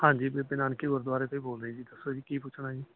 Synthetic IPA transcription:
hãːɲd͡ʒiːbepɪnaːnkiːoɾd̪waːɾeːt̪oiːboːlɾəiːd͡ʒiːd̪əsoːd͡ʒiːkiːpʊt͡ʃʰɽaːd͡ʒiː

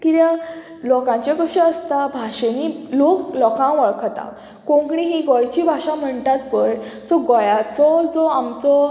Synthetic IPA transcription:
kit̪ja | lɔkãɲt͡ɕakəɕeəst̪abʱaɕeniloklɔkãʋəɭkʰt̪a̰ | kõŋkɳĩɦiɡɔjt͡ɕibʱaʂãm̤əɳt̪at̪̚pəjsɔɡɔjat͡sɔd͡zɔamt͡sɔ

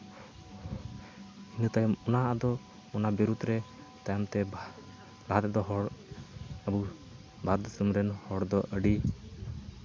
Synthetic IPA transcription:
inut̪ajɔmɔnaʔad̪ɔ | ɔnabiɾut̪ɾɛ | t̪ajɔmt̪ɛ | laɦat̪ɛd̪ɔɦɔɽ | əbu | bʱaɾd̪sumɾɛnhɔɽd̪ɔʔəɖi

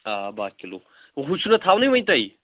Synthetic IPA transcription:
abakilo̰ | ɦut͡ʃʰunɐt̪ʰawnɐjmɐj̃t̪ɐj

